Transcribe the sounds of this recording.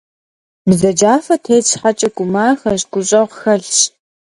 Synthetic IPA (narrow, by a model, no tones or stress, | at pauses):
bzɐd͡ʒaːfɐtʰeːɕħat͡ʃʼɪɡʷʊmaːxɐɕɡʷʼʊɕʼɐʁxɐɮɕ